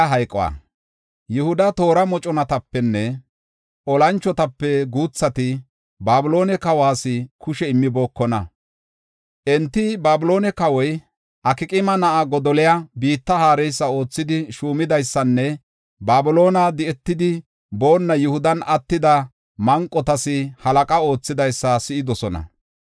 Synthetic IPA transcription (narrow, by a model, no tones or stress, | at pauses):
ɦɐjkʼɔwa̰ | jʊhʊd̪ɐt̪o̞ːɾɐmɔt͡ʃʼɔnɐt̪ɐpːɛnːɛ | ʔɔlɐnt͡ʃːɔt̪ɐpːɛɡuːt͡sːɐt̪ɪ | baːbʊlo̞ːnɛkɐwaːsɪkʊʃɛɪmːɪbo̞ːkːɔnɐ | ʔɛnt̪ːɪbaːbʊlo̞ːnɛkɐwɔj | ʔɐkɪkʼɪmɐnɐʔaɡɔd̪ɔlɛjɐbiːt̪ːɐhaːɾɛjsːɐo̞ːt͡sːɪd̪ɪʃuːmɪd̪ɐjsːɐnːɛ | baːbʊlo̞ːnɐd̪ɪɛt̪ːɪd̪ɪ | bo̞ːnːɐjʊhʊd̪ɐnɐt̪ːɪd̪ɐ | mɐŋkʼːɔt̪ɐsɪhɐlɐkʼɐo̞ːt͡sːɪd̪ɐjsːɐsɪɪd̪ɔsɔnɐ̰